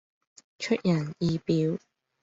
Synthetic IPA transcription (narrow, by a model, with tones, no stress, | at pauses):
t͡ʃʰɵ˥t̚jɐ˨˩njiː˨˧piː˨˥w